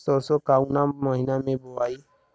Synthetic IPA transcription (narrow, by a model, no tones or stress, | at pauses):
sɔsokaːunamaːɦɪnamẽboaːiː